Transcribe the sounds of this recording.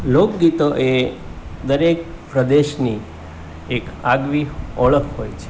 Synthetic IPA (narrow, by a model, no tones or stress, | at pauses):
lok̚ɡit̪oʔe | d̪əɾek̚ | pɾəd̪eʃni | ekaɡʋiɔɭəkɦojt͡ʃʰe̥